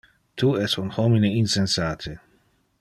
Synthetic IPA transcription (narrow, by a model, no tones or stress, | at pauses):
t̪uɛsunhɔmineinsensaːt̪ʰe